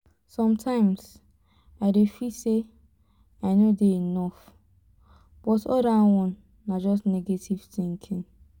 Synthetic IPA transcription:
sɔ̃mtʰãɪ̃ms | aɪdefise | aɪnodeinɔf | b̥ɔtɔ̰dawɔ̃nː | ad͡ʒɔs̬neɡetʰiv̥θĩŋkʰĩn

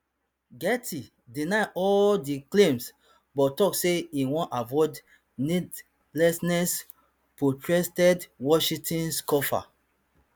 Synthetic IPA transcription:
ɡɛtʰi | dinaɪʔɔldiklẽms | bɔtɔkseĩwɔ̃nʔavɔd | nid | lɛsnɛs | pɹotɹɛstɛdwɔʃĩtĩnskɔfa̰

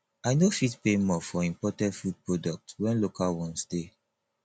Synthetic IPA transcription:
ajnofitpemɔfɔĩmpɔtɛ̃ntfud̚pɹodɔk̚twɛ̃nlokalwɔ̃nsde

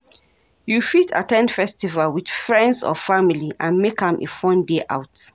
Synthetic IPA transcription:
jufitʰa̰tɛ̃nfɛstivalwid̥fɹɛ̃ndzɔ̰familiʔãnmekhə̃mʔḛfɔ̃ndeʔa̰ʊt

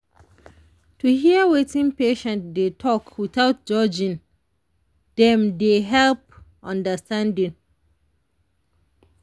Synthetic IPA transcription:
tuhiəwetĩnpeʃɛ̃ntdetʰɔkʰwiθaʊt̚d͡ʒɔd͡ʒĩn | d̥ɛ̃mdeɦɛlpʔɔ̃ndəstãndĩŋ

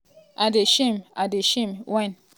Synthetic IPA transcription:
adeʃimadeʃimwãn

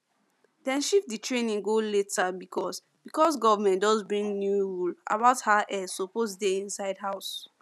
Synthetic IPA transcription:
dɛ̃nʃifditʰɹẽnĩŋɡoletʰabikʰɔs | bikɔsɡɔvamɛ̃ntdɔzbɹĩŋnjuɹula̰baʊthaʔɛsoposdeĩnsaɪdɦaʊs

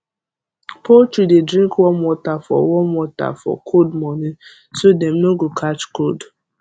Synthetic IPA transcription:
pot͡ʃidedɾĩŋkwɔmwɔtafɔ̰wɔmwɔta̰fɔ̰kʰodmɔni | sodem̩noɡokʰat͡ʃkod

